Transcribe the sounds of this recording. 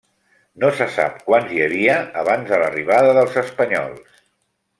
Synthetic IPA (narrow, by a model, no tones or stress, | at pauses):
nosəsa̰p̚kwanziəβiəːβanzðələriβaðəðəlˠzəspəɲɔ̰lˠs